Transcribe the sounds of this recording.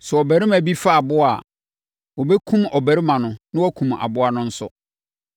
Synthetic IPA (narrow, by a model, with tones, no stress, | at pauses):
sɛ˨ɔ˨bæ˨ɾi˦mæ̃˨bi˦fa˦a˨bʊ˦a˨ | wɔ˨bɛ˦kʰũ˦mɔ˨bæ˨ɾɪ˦mã˨nʊ̃˨nɪ̃˦wɔ˦kʰũ˨ma̰˨bʊ˦a˨nʊ̃˦n̩˦sʊ̰˦